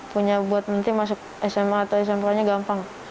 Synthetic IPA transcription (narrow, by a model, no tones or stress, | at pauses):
puɲabuat̪̚mənt̪ɪmas̬ʊk̚ɛsɛmat̪awɛs̬ɛmpɾaɲaɡampaŋ